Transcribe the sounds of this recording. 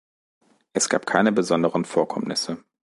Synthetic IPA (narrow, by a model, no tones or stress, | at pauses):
ʔɛsɡ̥aːp̚kʰaɪnəbəzɔndəʁənfoːɐkʰɔmnɪsə